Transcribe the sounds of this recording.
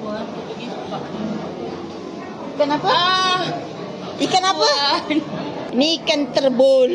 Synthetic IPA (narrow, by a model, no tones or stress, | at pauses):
ikanapa | ikanapa | inikant̪ərbol